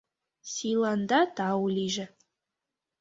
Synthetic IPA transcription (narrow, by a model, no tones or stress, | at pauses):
sʲilˠɑnd̪ɑt̪ɑwlʲiʒɘ